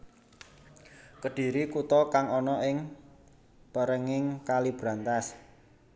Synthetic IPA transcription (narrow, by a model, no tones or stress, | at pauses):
kəɖ̥i̤ɾikut̪ɔkaŋɔnɔʔɪŋ | pəɾəŋɪŋkalib̥ɾant̪as